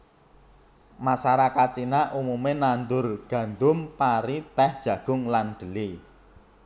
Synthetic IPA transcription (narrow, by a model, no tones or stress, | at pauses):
masaɾakat̚t͡ʃinaʔumumenand̪ʊrɡ̥ä̤nd̪ʊmpaɾit̪ɛhd̥ʒ̥ä̤ɡ̥ʊ̤ŋlanɖ̪̥ə̤li